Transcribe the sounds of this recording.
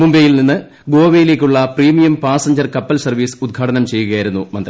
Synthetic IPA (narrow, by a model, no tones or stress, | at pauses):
mumbejilninːɨ | ɡo̞ːʋejile̞ːkʲːuɭːɐpriːmijɐmpaːsɐɲd͡ʑɐrkɐpːɐlsɐrʋiːsɨ̥ud̪̚ɡʰʱaːʈɐnɐmt͡ɕe̞jːuɣɐjajiɾunːumɐnd̪rɐ